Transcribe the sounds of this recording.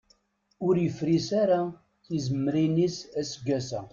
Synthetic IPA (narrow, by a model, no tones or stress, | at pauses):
ʊɾjəfɾisaɾa | θizəmːəɾinisæsəɡːæsæ̰